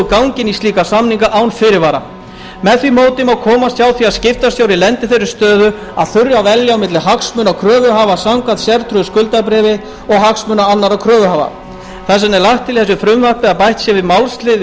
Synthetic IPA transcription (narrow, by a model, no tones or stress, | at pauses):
kawŋcɪnist̪iːkasamniŋkaʔawnfɪɾɪɾvaːɾa̰ | mɛðθvimoːwt̪ɪmawkʰɔːmast̪jaːwθiaðscɪft̪asjaːwɾilɛnt̪ɪθɛsʏst̪œːðʏ | aðθʏɾjavɛljaawmɪt̪lɪɦaksmʏːnawkʰɾœːvʏɦaːvasawŋkaðsjɛɾt̪ʰɾʏskʏlt̪apɾɛːvɪ | ɔɣɦaksmʏːnaanːaɾawkʰɾœːvʏɦaːva̰ | θɛs̬ːanɛɾlajht̪ʰːɪlθɛs̬ʏfɾʏmvahp̪ɪaðpajht̪sjɛvɪðmawlst̪lɪð